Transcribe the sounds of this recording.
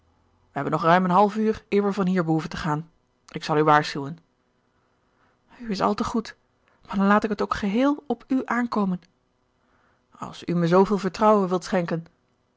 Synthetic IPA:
ʋəɦɛbənɔχrœɥmənɦɑlˠvyːɹɪːɹʋəɹvɑnɦiːɹbəɦuvəntəχaːn | ɪksɑlˠyʋaːɹsχywən | yɪsɑ̰lˠtəχut | maːdɑnlaːtɪkɦətowkχəɦɪːlˠɔpʰyʔaːnkowmən | ɑ̰lˠsyməzowvɪːlˠvəɹtrɑwəʋɪlˠtsχɛŋkən

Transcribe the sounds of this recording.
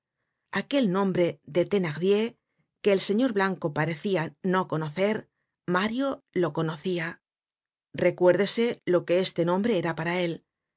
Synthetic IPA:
ake̞lnõ̞mbɾe̞ðe̞t̪e̞naɣðje̞ | keːlse̞ɲo̞ɾβlaŋko̞paɾe̞θiano̞ko̞no̞θe̞ɾ | maɾjo̞lo̞ko̞no̞θia | re̞kwe̞ɾðe̞se̞lo̞ke̞est̪e̞nõ̞mbɾe̞eɾapaɾae̞l

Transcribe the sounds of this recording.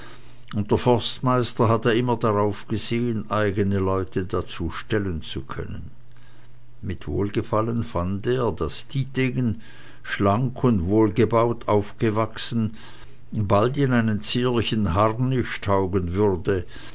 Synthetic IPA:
ʔʊnt̚d̥eɐfɔɐstmaɪstɐɦatəːɐɪmɐdaʁaʊfɡ̥əzeːənʔaɪɡənəlɔʏtʰədat͡suːʃtɛlənt͡sukʰœ̰nən | mɪtv̥o̰ːlɡəfalənfandeːɐdasd̥iːdeɡən | ʃlaŋkʰʊndvoːlɡəbaʊtʰaʊfɡ̥əvaksn̩ | baltɪnaɪnənt͡siːlɪçn̩ɦaʁnːɪʃtʰaʊɡənvʏʁdə

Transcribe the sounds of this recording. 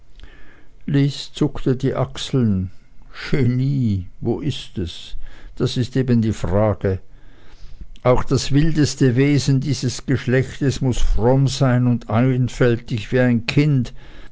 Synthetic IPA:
liːst͡sʊktədiːʔaksl̩nʃeniːvoːʔɪstɛsd̥asɪsteːbəndiːfʁaːɡ̥ə | ʔaʊxd̥asv̥ɪldəstəveːzən̩diːzəsɡ̥əʃlɛçtəsmʊsfʁɔmzaɪnʊndaɪnfɛltɪçv̥iːaɪnkʰɪnt

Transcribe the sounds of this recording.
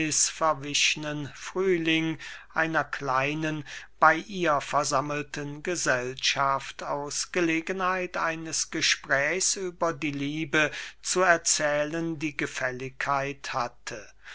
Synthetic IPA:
ɪsfɛɐvɪʃnənfʁ̥yːlɪŋʔaɪnɐkʰlaɪnənb̥aɪʔiːɐfɛɐzaml̩tʰənɡəzɛlʃaftaʊsɡ̥əleːɡənhaɪtʔaɪnəsɡ̥əʃpʁ̥ɛːçsʔyːbɐdiːliːbət͡suɛɐt͡sɛːləndiːɡəfɛlɪkʰhaɪthatʰə

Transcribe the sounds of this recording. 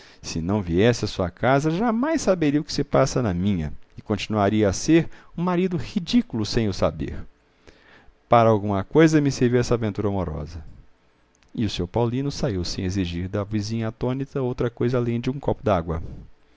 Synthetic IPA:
sɪnɐ̃w̃viɛsɪɐsuɐkazɐʒamajsːabeɾiɐʊkɪ̥sɪpasɐnɐmĩɲɐ̰ɪkõt͡ʃinuaɾiɐaseɾũmaɾid̪ʊhid͡ʒikulʊsẽj̃ʊsa̰bḛɾ | paɾɐawɡũmɐkojzɐmɪseɾviwɛsɐavẽnt̪uɾɐomoɾɔ̰zɐ | ɪʊsoɾpawlĩnʊsaiwsẽj̃eziʒiɾd̪ɐvizĩɲɐat̪õnit̪ɐowt̪ɾɐkojzɐaːlẽj̃d͡ʒɪũkɔpʊd̪aɡwɐ

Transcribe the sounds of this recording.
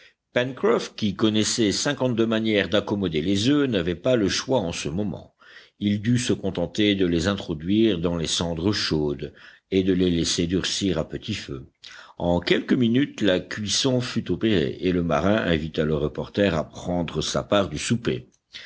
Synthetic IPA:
pɛnkχɔfkʲikɔnɛsɛsɛ̃kɑ̃t̪̚d̪ømanjɛʁd̪akɔmɔd̪elezønavɛpaləʃwaɑ̃səmɔmɑ̰̃ | ild̪ysəkɔ̃t̪ɑ̃t̪ed̪əlezɛ̃t̪χɔd̪ɥiʁd̪ɑ̃lesɑ̃d̪ʁəʃod̪ | ed̪əlelɛsed̪yʁsiʁapət̪ifø | ɑ̃kʲɛlkəminyt̪lakʲɥisɔ̃fyt̪opeʁḛʔeləma̰ʁɛ̃ʔɛ̰̃vit̪aləʁəpɔʁt̪ɛʁa̰pχɑ̃d̪ʁəsa̰paʁd̪ysupḛ

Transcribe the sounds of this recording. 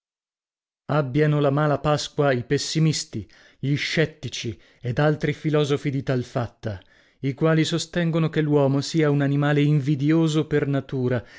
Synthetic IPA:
abːjanolamaːlapaskwaipesːimist̪i | ʎiʃːɛt̪ːit͡ʃi | ed̪alt̪ɾifilɔːzofid̪it̪alfat̪ːa | ikwaːlisost̪ɛŋɡonokelːwɔːmosiːaunanimaːleiɱvid̪joːzopernat̪uːɾa

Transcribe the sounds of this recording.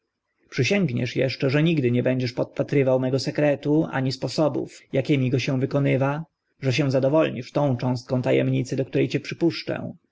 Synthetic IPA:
pʂɘɕɛŋɡɲɛ̰ʂjɛ̰ʂt͡ʂɛʐɛɲiɡd̪ɘɲɛbɛɲd͡ʑɛʂpɔt̪̚pat̪ɾɘvawmɛɡɔsɛkɾɛt̪ua̰ɲispɔsɔbṵfjakʲɛmʲiɡɔɕɛ̃w̃vɘkɔnɘva | ʐɛɕ̬ɛ̃w̃zad̪ɔvɔlɲiʂt̪ɔ̃w̃t͡ʂɔ̃w̃st̪̚kɔ̃w̃t̪ajɛ̰mɲit̪sɛd̪ɔk̚t̪uɾɛjt͡ɕɛpʂɘpuʂt͡ʂɛ̰̃

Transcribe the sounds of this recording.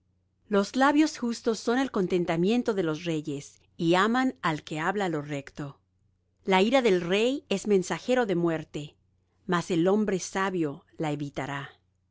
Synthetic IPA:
lo̞zlaβjo̞sxust̪o̞sːo̞ne̞lko̞nt̪e̞nt̪amje̞nt̪o̞ðe̞lo̞sre̞ʝe̞s | iamanalke̞aβlalo̞re̞kt̪o̞ | laiɾaðe̞lre̞jezmẽ̞nsaxe̞ɾo̞ðe̞mwe̞ɾt̪e̞ | mase̞lo̞mbɾe̞saβjo̞ | laeβit̪aɾa

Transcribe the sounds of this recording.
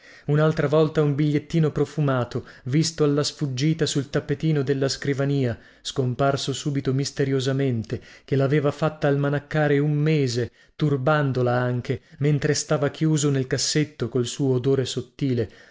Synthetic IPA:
unalt̪ɾavɔlt̪aumbiʎːet̪ːiːnopɾofumaːt̪ovist̪oalːasfud͡ʒːiːt̪asult̪apːet̪iːnod̪elːaskɾivaniːa | skomparsosuːbit̪omist̪eɾjozament̪ek̟elaːveːvafat̪ːaːlmanakːaːɾeumːeːze | t̪urband̪olaaŋk̟ement̪ɾest̪aːvak̟juːzonelkasːet̪ːokolsuːoːd̪oːɾesot̪ːiːle

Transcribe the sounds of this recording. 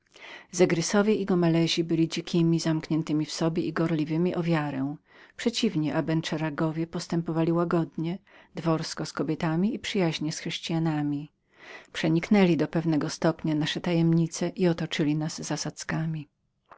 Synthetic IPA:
zɛɡɾɘsɔvʲjɛiɡɔmalɛʑibɘlʲid͡ʑikʲʰimʲizamkɲɛnt̪ɘmʲifsɔbʲjɛʔiɡɔɾlʲivɘmʲiʔɔvʲjaɾɛ̃ | pʂɛt͡ɕivɲɛʔabɛnt͡ʂɛɾaɡɔvʲjɛpɔst̪ɛmpɔvalʲiwaɡɔd̪ɲɛd̪vɔɾskɔskɔbʲɛt̪amʲiipʂɘjaʑɲɛsxʂɛɕt͡ɕijanamʲi | pʂɛɲiknɛlʲid̪ɔpɛvnɛɡɔst̪ɔpɲanaʂɛt̪ajɛmɲit̪sɛʔiɔt̪ɔt͡ʂɘlʲinazːasat̪skamʲi

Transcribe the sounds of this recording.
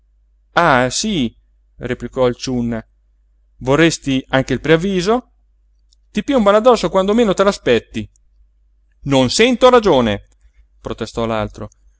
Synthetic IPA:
asi | replikɔilt͡ʃunːa | vorːest̪iaŋk̟eilpɾeavːiːzo | t̪ipiumbanad̪ɔsːokwand̪omeːnot̪elaspɛt̪ːi | nonsɛnt̪oɾad͡ʒoːne | pɾot̪est̪ɔlalt̪ɾo

